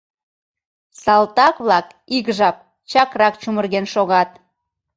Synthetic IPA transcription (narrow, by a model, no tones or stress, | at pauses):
sɑlt̪ɑkβlɑk | iɣʒɑp̚ | t͡ɕɑkrɑkt͡ɕumərɣenʃoɣɑt̪̚